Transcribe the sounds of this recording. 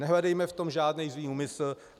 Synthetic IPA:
ɛɦlɛdɛjmɛft̪o̞mʒaːdnɛjzviːuːmɪsl̩

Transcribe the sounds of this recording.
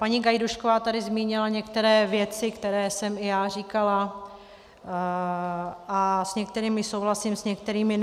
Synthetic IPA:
paɲiɡajduʃkovaːt̪adɪzmiːɲɪlaɲɛkt̪ɛɾɛːvjɛt͡sɪkt̪ɛɾɛːsɛmɪjaːr̝iːkala | ʔasɲɛk̚t̪ɛɾiːmɪsowɦlasɪmsɲɛkt̪ɛɾiːmɪ

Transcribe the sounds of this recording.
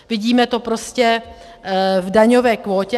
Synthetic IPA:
vɪɟiːmɛt̪o̞pɾo̞scɛ | vdaɲo̞vɛːkvoːcɛ

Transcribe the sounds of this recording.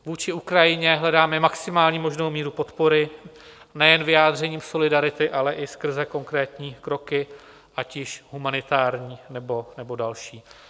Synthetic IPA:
vuːt͡ʃɪukɾajɪɲɛɦlɛdaːmɛmaksɪmaːlɲiːmo̞ʒnowmiːɾupo̞t̪po̞ɾɪ | nɛjɛnvɪjaːd̪r̝ɛɲiːmso̞lɪdaɾɪt̪ɪʔalɛʔɪskr̩zɛko̞ŋkɾɛːt̪ɲiːkɾo̞kɪ | ʔacɪʃɦumanɪt̪aːɾɲiːnɛbo̞nɛbo̞dalʃiː

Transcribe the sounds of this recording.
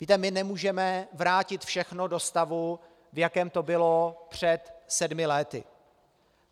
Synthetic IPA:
viːt̪ɛmɪnɛmuːʒɛmɛvɾaːcɪt̪fʃɛxno̞do̞st̪avu | vjakɛːmt̪o̞bɪlo̞pr̝̥ɛt̪sɛdmɪlɛt̪ɪ̰

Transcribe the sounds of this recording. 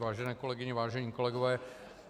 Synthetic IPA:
vaːʒɛnɛːko̞lɛɡɪɲɛvaːʒɛɲiːkolɛɡovɛː

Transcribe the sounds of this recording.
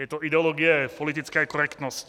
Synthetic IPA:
jɛt̪ɔid̪ɛɔlɔːɡiɛpɔlit̪̬it͡skaakɔɾɛkt̪nɔsc

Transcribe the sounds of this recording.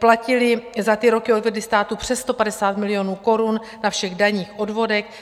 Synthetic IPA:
placɪlɪzat̪ɪɾo̞kɪodvɛdlɪst̪aːt̪upr̝̥ɛsst̪o̞padɛsaːt̪mɪlɪjo̞nuːko̞ɾun | nafʃɛɣdaɲiːxʔo̞dvo̞dɛx

